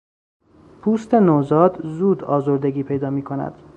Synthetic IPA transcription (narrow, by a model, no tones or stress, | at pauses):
pʰuːst̪e̞noːzɒːd̪zuːd̪ɒ̰ːzoɾd̪e̞ɡiːpʰe̞jd̪ɒːmiːkʰo̞næ̰d̪̥